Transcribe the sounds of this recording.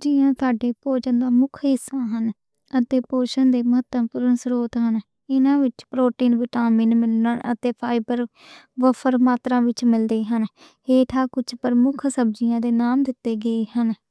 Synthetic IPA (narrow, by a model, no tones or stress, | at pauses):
d͡ʒɪːãːt̪ʊaːɖeːpoːt͡ʃənd̪aːmʊkʰɦɪsːãːɦən | ət̪eːpoːʃənd̪eːməɦət̪ːəmpuːɾənsɾoːt̪ɦən | ɪnãːʋɪt͡ʃpɾoːʈiːnʋɪʈaːmɪ̃ːnmɪlnənə̰t̪eːpʰaːɪbəɾ | ʋəfʰəɾmaːt̪ɾãːʋɪt͡ʃmɪld̪eːɦən | eːt̪ʰaːkʊt͡ʃʰpəɾmʊkʰsəb̚d͡ʒɪjãːd̪eːnaːmd̪ɪt̪ːeːɡəeːhən